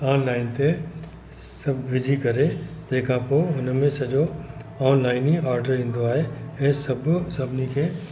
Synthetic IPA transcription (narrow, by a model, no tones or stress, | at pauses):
aːnlaːɪnt̪e | sɐbʱʋɪd͡ʑʱikɐɾed͡ʑeːkʰãpoːʊnmẽsɐʄoɔːnlaːɪniaːɾɖəɾĩːn̆d̪oaːɦeɛ̃ːsɐbʱsɐbʱɪnikʰeː